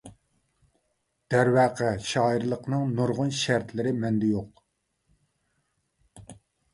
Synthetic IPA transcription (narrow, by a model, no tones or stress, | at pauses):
d̪̥æɾwæːqʰɛʃɑːiɾlˠəqnɨŋnoɾʁʊnʃæɾt̪lɪɾɪmɛnd̪ɛjoq